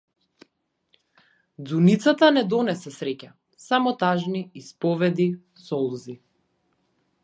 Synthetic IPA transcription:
d̪zunit̪sat̪anɛd̪ɔnɛsɛsɾɛca | samɔt̪aʒniispɔvɛd̪i | sɔlˠzi

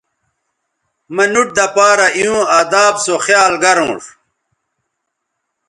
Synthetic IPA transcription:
mɐnuʈ̚d̪ɐpaːɾɐʔiũad̪aːbsoxjaːlɡɐɾõ̰ːʂ

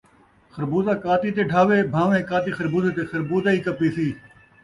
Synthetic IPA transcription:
xəɾbuːzaːkaːt̪iːt̪eːɖʱaːʋeːbʱãːʋẽːkaːt̪iːxəɾbuːzeːt̪eːxəɾbuːd̪aːiːkəpiːsiː

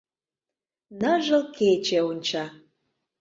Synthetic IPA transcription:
nəʒə̆lket͡ɕeonʲt͡ɕɑ

